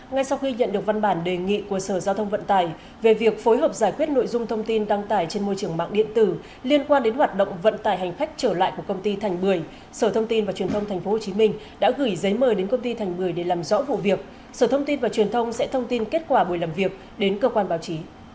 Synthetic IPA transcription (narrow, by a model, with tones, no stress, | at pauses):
ŋa˧jsa˧wxi˧ɲə̰˧˨nɗɨ˨˩ək̚va˧nɓaː˧˩nɗe˨˩ŋḭ˧˨ku˧˩əsəː˧˩zaː˧wt̪ʰə˧wŋ͡mvə̰˧˨nt̪aː˧˩j | ve˨˩vi˨˩ək̚fo˨˦jɦəː˨˩p̚zaː˧˩jkwi˦˥ət̚no̰˧˨jzʊ˧ŋ͡mt̪ʰə˧wŋ͡mt̪i˧nɗa˧ŋt̪aː˧˩jt͡ɕe˧nmo˧jt͡ɕɨ˨˩əŋma̰ː˧˨ŋɗḭ˧˨ənt̪ɨ˧˩ | li˧ənkwaː˧nɗe˨˦nhwaː˨˩t̚ɗə̰˧˨wŋ͡mvə̰˧˨nt̪aː˨˩jɦa˨˩ŋ̟xa˦˥jk̟̚t͡ɕəː˧˩la̰ː˧˨jku˧˩əkə˧wŋ͡mt̪i˧t̪ʰa˨˩jŋ̟ɓɨ˨˩əj | səː˧˩t̪ʰə˧wŋ͡mt̪i˧nvaː˨˩t͡ɕwənt̪ʰwŋ͡mt̪ʰŋ̟fo˨˦ho˨˩t͡ɕi˨˦mï˧ŋ̟ | ɗa̰ː˧˥ɣɨ˧˩jzə˨˦jməː˨˩jɗe˨˦nkə˧wŋ͡mt̪i˧t̪ʰɛ˨˩ŋ̟ɓɨ˨˩əjɗe˧˩laː˨˩mzɔ̰˧˥vṵ˧˨vi˨˩ək̚ | səː˧˩t̪ʰə˧wŋ͡mt̪i˧nvaː˨˩t͡ɕwi˨˩ənt̪ʰə˧wŋ͡msɛ̰˧˥t̪ʰə˧wŋ͡mt̪i˧nke˦˥t̚kwaː˧˩ɓu˧˩əjlaː˨˩mvi˨˩ək̚ | ɗe˨˦nkəː˧kwaː˧nɓaː˨˦wt͡ɕi˨˦